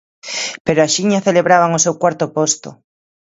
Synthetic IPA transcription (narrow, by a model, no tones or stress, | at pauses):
peɾoaʃiɲaθeleβɾaβaŋosewkwaɾt̪opost̪o̰